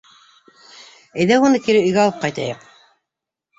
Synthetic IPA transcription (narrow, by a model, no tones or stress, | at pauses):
æ̆jðæwunɤkiɾɘɵ̆jɡæɑlˠɤp̚qɑjt̪ɑ̰jɤq̚